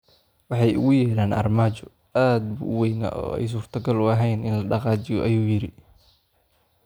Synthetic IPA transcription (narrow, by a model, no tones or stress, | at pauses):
wɑħɑjʊ̰ɣʊjɛːɾaːnʔɐ̰rmaːt͡ʃɔ | aːd̪̚bṵʔʊwɛjna̰ʔɔ̰ːɛ̰js̬uːrt̪ʰɐɡɐlʊɐɦɛjnɪnlɐɖɑqɑːt͡ʃɪjɔʔɐjuːjɪɾɪ